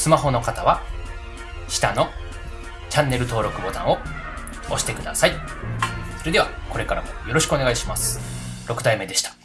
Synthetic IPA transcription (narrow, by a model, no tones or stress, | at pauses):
sɨmaɦo̞no̞kat̪aβa | ɕi̥t̪ano̞ | t͡ɕãnːe̞ɾɯ̟t̪o̞ːɾo̞kɯ̟bo̞t̪ã̰ɰ̃o̞ | oɕi̥t̪e̞kɯ̟d̪asai | so̞ɾed̪e̞βako̞ɾe̞kaɾamojo̞ɾo̞ɕi̥kɯoneɡaiɕimasɨ̥ | ɾo̞kɯ̟d̪aime̞d̪e̞ɕi̥t̪ḁ